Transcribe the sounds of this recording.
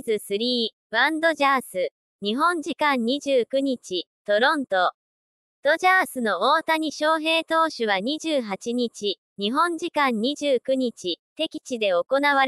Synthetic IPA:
zɨsɨɾʲiː | βãnd̪o̞ʑaːsɨ | ɲ̟iɦõ̞ɲ̟d͡ʑikãɲɲiʑɨːkɯ̟ɲ̟it͡ɕit̪o̞ɾõ̞nt̪o̞ | d̪̥o̞ʑaːsɨno̞oːt̪aɲ̟iɕo̞ːɦe̞ːt̪o̞ːɕɨβ̞aɲ̟iʑɨːɦat͡ɕiɲ̟it͡ɕi | ɲ̟iɦõ̞ɲ̟d͡ʑikãɲ̟ɲiʑɨːkɯ̟ɲ̟it͡ɕit̪e̞kʲi̥t͡ɕid̪e̞o̞ko̞naβ̞aɾ

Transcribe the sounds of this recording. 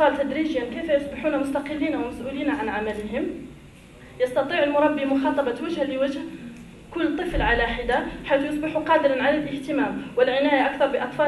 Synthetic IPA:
fɑlt̪æd̪ɾiʒjankæfæjʊsˤbɪħuːnamʊst̪ɑqəlːiːnawmæsʔuːliːnaʕanʕamæləɦɪm | jɑst̪ɑt̪ˤiːʕəlmʊɾˤɑbːimʊxɑːt̪ˤɑbɑwæʒhaliwæʒh | kʊlːt̪ˤːəflʕalaħɪd̪aħajθjʊsˤbɪħuqɑːd̪əɾɑnʕalælʔəht̪əmæːmwəlʕɪnæjaʔak̚t̪ɑɾˤbəʔɑt̪ˤfɑ

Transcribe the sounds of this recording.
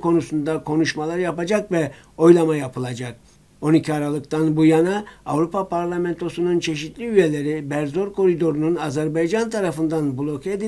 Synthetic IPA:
kʰo̞nusund̪akʰo̞nuʃmalˠaɾjapad͡ʒakvɛ | o̞jlˠamajapʰɯlˠad͡ʒak̚ | o̞nicʰiaɾalˠɯkt̪ʰanbujanaːvɾupapʰaɾlʲˠamɛnt̪ʰo̞sununt͡ʃʰe̞ʃit̪ʰlʲiyje̞lʲe̞ɾibæɾzo̞ɾkʰo̞ɾid̪o̞ɾununazæɾbajd͡ʒant̪ʰaɾafɯnd̪anbulˠo̞kʰe̞d̪i

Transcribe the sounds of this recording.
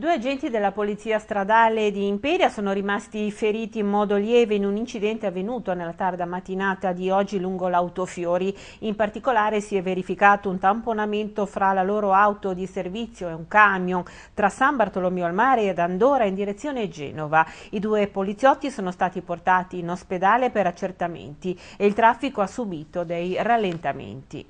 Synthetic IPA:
d̪uːead͡ʒɛnt̪id̪elːapolit̪siːast̪ɾad̪aːled̪iːmpɛɾjasoːnoɾimast̪ifeɾiːt̪iːmmɔːd̪oljɛːveinunint͡ʃid̪ɛnt̪eavːenuːt̪onelːat̪ard̪amat̪ːinaːt̪ad̪iɔd͡ʒːiluŋɡolawt̪ofjoːɾi | impart̪ikolaːɾesiɛvːeɾifikaːt̪ount̪amponament̪ofɾalaloːɾoawt̪od̪iservit̪sːjoeuŋkamjon | t̪ɾasambart̪olomjoalmaːɾed̪and̪oːɾaind̪iɾet̪sːjoːned͡ʒɛ̰ːnovaid̪uːepolit̪sjɔt̪ːisoːnost̪aːt̪iport̪aːt̪iːnosped̪aːlepeɾat͡ʃːert̪amḛnt̪i | eilt̪ɾafːikoasːubiːt̪od̪ejralːent̪amḛnt̪ḭ

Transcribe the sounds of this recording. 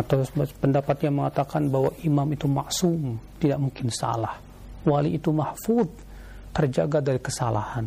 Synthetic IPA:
at̪apəndapat̪̚ɲaməŋat̪akanbahwaʔimamit̪umaʔsumt̪idaʔmuŋkɪnsa̰lah | waliʔːt̪umahfud̪̚ | t̪ərd͡ʒaɡadaɾikəsala̰han

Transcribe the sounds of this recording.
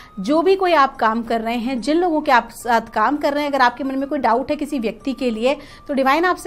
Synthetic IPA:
d͡ʒoːbʱikoːiaːp̚kaːmkɐɾːɐɦẽɦɛ̃d͡ʒɪnloːɡõkeaːpsaːt̪ʰkaːmkɐɾːɐɦẽɐɡəɾaːp̚kemɐ̃nmẽkoːiɖaːʊʈɦɛkɪsiʋjɐk̚t̪ikelie | t̪oːɖɪʋaːɪnaːps

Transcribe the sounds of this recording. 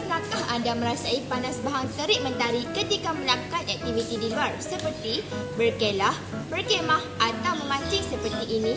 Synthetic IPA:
kakahandamə̃ɾasaipanasbaɦaŋt̪əɾɪʔ̚mə̃nt̪aɾikət̪ikamə̃lakat̪ɛk̚t̪ivit̪idiluarsəpərt̪ibərkelah | bərkemãhʔat̪awmə̃mãt͡ʃisəpərt̪iʔːnĩ

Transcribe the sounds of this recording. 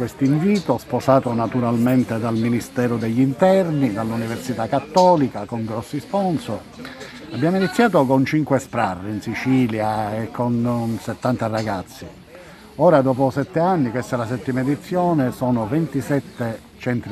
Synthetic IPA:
kwest̪iɱviːt̪osposaːt̪onat̪uɾalment̪ed̪alminist̪ɛːɾʊd̪eʎːint̪ɛrnid̪alːuniversit̪akːat̪ːɔːlikakoŋɡɾɔsːispɔnso | abːjaːminit̪sːjaːt̪okont͡ʃiŋkwespɾarːiinsit͡ʃiːljaekʰːonset̪ːant̪araɡat̪sːi | ɔːɾad̪ɔːpʊsɛt̪ːeanːikwest̪alas̬ɛt̪ːiːmaed̪it̪sːjɔːnesɔːnovɛnt̪isɛt̪ːe | t͡ʃɛnt̪ɾ

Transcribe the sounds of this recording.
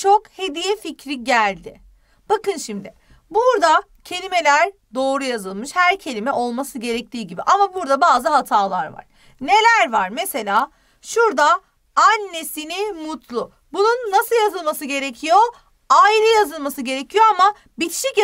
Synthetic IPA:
t͡ʃʰo̞khe̞d̪ijɛficɾiɟælʲd̪ɪ | b̥akɯnʃimd̪ɪ | buɾd̪a | cʰe̞lʲime̞lʲæɾ | d̪o̞ːɾujazɯlˠmɯʃhæɾcʰe̞lʲimɛʔo̞lˠmasɯɟe̞ɾɛc̚t̪ʰiːɟibiʔamabuɾd̪abaːzɯɦat̪ʰaːlˠaɾva̰ɾ̥ | ne̞lʲæɾvaɾmese̞lʲaː | ʃuɾd̪aː | nːe̞sinimut̪lˠʊ | bununːasɯlˠjazɯlˠmasɯɟe̞ɾecʰijo̞ | ailˠɯjazɯlˠmasɯɟe̞ɾecʰijo̞ama | bit͡ʃʰi̥ʃic

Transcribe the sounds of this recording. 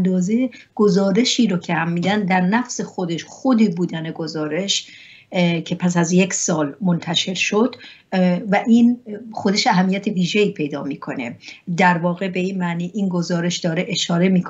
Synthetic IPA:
nd̪ɒːze̞ɡ̥o̞zɒːɾe̞ʃiːɾocʰehæmːiːd̪ænd̪æɾnæfsexod̪e̞ʃxod̪iːbuːd̪æneɡo̞zɒːɾe̞ʃ | cʰe̞pʰæs̬æzjecʰsɒːlmont̪ʰæʃe̞ɾʃo̞d̪̥ | væʔiːnxod̪e̞ʃæɦæmːijæt̪ʰeviːʒeiːpʰe̞jd̪ɒ̰ːmiːkʰo̞ne̞̰d̪æɾvɒːɣe̞be̞iːnmæʔniːʔiːnɡo̞zɒːɾe̞ʃd̪ɒːɾe̞ʔeʃɒːɾe̞miːkʰ

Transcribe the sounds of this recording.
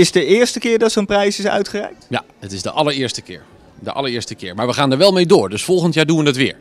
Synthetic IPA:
ɪsdəɪːɹstəkɪːɹdɑtsoːnprɛjsɪsœ̰ɥtχərɛ̰jk̚tja̰ | ətɪzdəʔɑləɹɪːɹstəkɪ̰ːɹ | də̰ʔɑ̰ləɹɪːɹstəkɪːɹmaːɹʋəχaːndəɹʋɛlˠmejdoːɹdɵsfɔlˠχəntjaːɹduʋənətʋɪ̰ːɹ

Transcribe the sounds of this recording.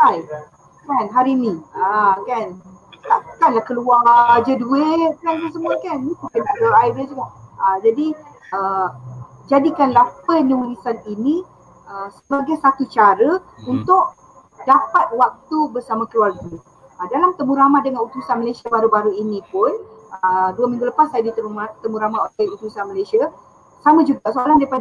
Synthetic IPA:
aj | kanɦaɾiniəkant̪aʔkanlahkəluard͡ʒəduet̪̚kankəs̬əmuəkanit̪ukənakluaɾajdəd͡ʒuŋaʔəd͡ʒadi | ə | d͡ʒadikanlapəniulisaninĩ | əsəbaɡajsat̪ut͡ʃaɾəunt̪ʊʔ | dapat̪̚wak̚t̪ubərsamãkəluarɡu | ədalamt̪əmũɾamaʔ̚dəŋanut̪usanməlasiabaɾubaɾuinĩpʊnəduwəmĩŋɡuləpasːajadit̪əuat̪əmũɾamaʔ̪oaut̪usanməlajsia | samãd͡ʒuɡaʔsoalandaipad

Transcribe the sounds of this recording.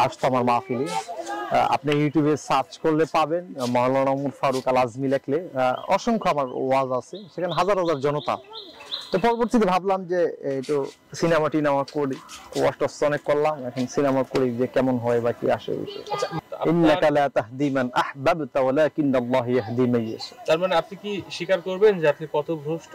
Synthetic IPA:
aʃt̪ʰoamaɾmafili | a̰pnejuʈjubesaɾt͡ʃkoɾlepabenmɔɦelonamuɾfaɾukalazmilekʰleɔʃoŋkʰoamaɾwazasʰeʃekʰaneɦazaɾɦɔzaɾd͡ʑɔnot̪a̰t̪ɔpɔɾoboɾt̪it̪̬ebʱablamd͡ʑeeʈo | sinemaʈinamakoɾioa̰ʃʈost̪ɔnekːoɾlamɛkʰonsinamakoɾid͡ʑekɛmonɦɔebakḭa̰ʃḛbḭʃɔ̰jainːakalat̪aɦd̪imanaħbabt̪awalakinːalːaɦjaɦd̪imejḛsʰe̥t̪aɾmaneapnikiʃikaɾkoɾbend͡ʑeapnikɔt̪oɡʱoʃʈ

